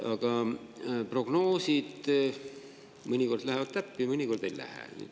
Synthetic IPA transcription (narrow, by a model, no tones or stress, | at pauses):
ɑɡ̥ɑ | pro̞ɡ̥no̞ːsid̪̥ | mɤnʲiko̞rd̪læhevɑd̪̥̚t̪æpːimɤnʲiko̞rd̪̥ejlæ̰hḛny̰ː